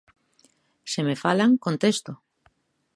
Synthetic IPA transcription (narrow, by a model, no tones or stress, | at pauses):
semefalaŋkont̪est̪o